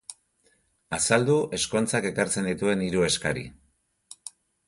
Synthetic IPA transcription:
asald̪uʔe̞sko̞nt͡sake̞kaɾt͡se̞nd̪it̪ue̞niɾue̞skaɾḭ

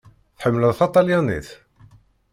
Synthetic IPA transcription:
θħəmːləðˤθɑt̪ˤɑljanḭθ

